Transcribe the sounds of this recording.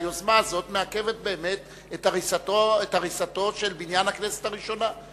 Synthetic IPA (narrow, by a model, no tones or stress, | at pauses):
jozmaːzo̞t̪meake̞vet̪̚beːme̞t̪ | etaʁisatoet̪aʁisat̪o̞ʃe̞lbinjanhaknese̥t̪aʁiʃo̞na